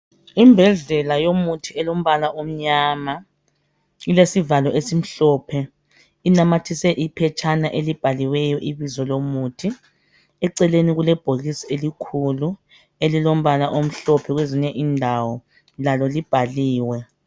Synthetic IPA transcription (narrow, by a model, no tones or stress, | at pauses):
imbʱɛɮɛlajomutʰiɛlom̩βalaʔom̩ɲaːma | ilesivalɔʔesim̩ɬɔpʰɛ | inamatʰisɛʔipʰɛt͡ʃʼʰanaʔelib̥ʱaliwɛjɔʔiβizɔlomutʰi | ɛǀɛleniɣulɛb̥ʱoɣisi̥elikʰulu | elilom̩βalaʔom̩ɬɔpʰɛɣweziɲɛʔiːndʱawɔ | lalɔlib̥ʱaliːwɛ